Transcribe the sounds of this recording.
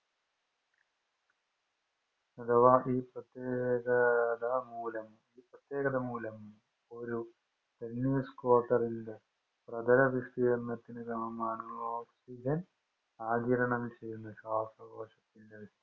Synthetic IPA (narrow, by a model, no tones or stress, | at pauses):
nɐd̪ɐʋaːʔiːpɾɐt̪jeːkɐd̪ɐmuːlɐm | iːpɾɐt̪jeːɡɐd̪ɐmuːlɐm | oɾu | t̪enːiːskoːʈɐɾind̪ɐ | pɾɐd̪ɐlɐʋist̪ijɐnːɐt̪ːinɐt̪ɐmɐmaːnuoːksid͡ʒɐn | aːd͡ʒiɾɐɳɐmt͡ʃeːjunɐʃaːsɐbɐːʂɐt̪ːind̪ɐʋist̪i